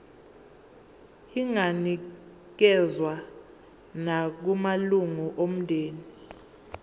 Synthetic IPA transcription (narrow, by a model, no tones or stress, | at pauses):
iŋani | k̬ɛzwa | nak̬umaluŋuʔom̩ndʱeːni